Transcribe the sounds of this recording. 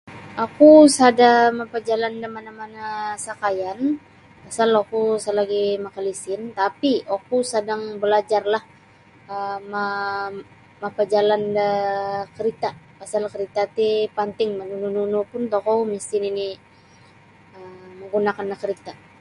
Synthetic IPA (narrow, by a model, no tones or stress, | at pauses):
ʔakusadamapad͡ʒalandamanamanasakajan | pasalokusalaɡimakalisɪnt̪apiakusadaŋbəlad͡ʒarlah | əma | mapad͡ʒalandakəɾit̪apasalkəɾit̪at̪ipant̪ɪŋmanunununupʊnt̪okɔmiskinini | əməŋɡunakanlakəɾit̪a